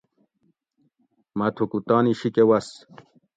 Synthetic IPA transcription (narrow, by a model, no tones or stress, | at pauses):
mɐt̪ʰokut̪aːniɕikewɐs